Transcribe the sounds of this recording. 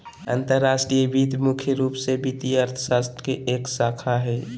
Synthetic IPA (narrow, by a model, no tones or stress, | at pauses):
ə̰̃nt̪əɾːaːsʈɾijəbit̪mukʰjəɾuːpsebit̪iəɾt̪ʰə̥saːst̪ɾəkeʔeːksaːkʰaɦɛː